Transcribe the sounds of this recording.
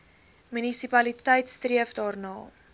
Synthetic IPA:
mynisipɐlitəjtstriəfdɑːrnɑː

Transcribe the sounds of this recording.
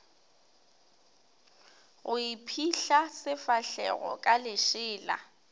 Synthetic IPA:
ɣʊipʰiɬasɪfaɬɛɣɔ̰kʼalɪʃɪːla̰

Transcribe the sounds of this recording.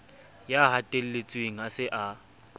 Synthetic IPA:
jahatʼel̩let͡sʼweŋ̩asɪʔa

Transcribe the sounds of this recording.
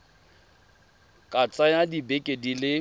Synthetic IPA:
kʼat͡sʼajadibekʼedilɪ

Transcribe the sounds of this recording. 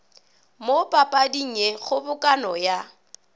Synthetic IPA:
mopʼapʼadiŋ̩ɛɣʊbʊkʼanɔja

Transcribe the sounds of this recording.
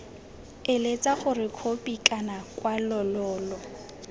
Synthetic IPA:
ɪlet͡sʼaɣʊrɪkʰopʼikʼanakʼwalɔlɔːlɔ

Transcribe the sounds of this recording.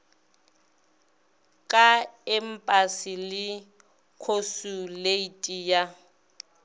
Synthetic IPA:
kʼaɛm̩pʼasɪlɪ | kʰosuleitʼija

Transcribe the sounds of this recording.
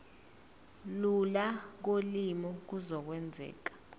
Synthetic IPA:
lulak̬olimɔk̬uzɔk̬wɛnd͡zʱɛ̰ːk̬ḁ

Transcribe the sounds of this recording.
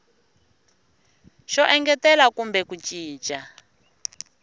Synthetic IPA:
ʃɔʔɛŋɡɛtɛlakumbɛkut͡ʃiːt͡ʃʼa

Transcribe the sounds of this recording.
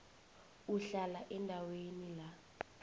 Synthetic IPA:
uɬalaʔɛndʱawenila

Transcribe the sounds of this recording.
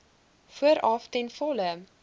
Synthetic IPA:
fuəɾɑftɛnfɔlə

